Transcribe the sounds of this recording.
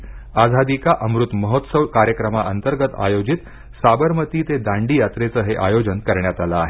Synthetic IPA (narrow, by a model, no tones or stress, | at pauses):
ad͡zʱad̪ikaʔəmɾut̪məɦot̪səʋkaɾjəkɾəmaʔənt̪əɾɡət̪a̰jod͡ʑit̪ | sabəɾmət̪iːt̪ed̪ãɳɖijat̪ɾet͡səɦeʔajod͡ʑənkəɾɳjat̪alaːɦe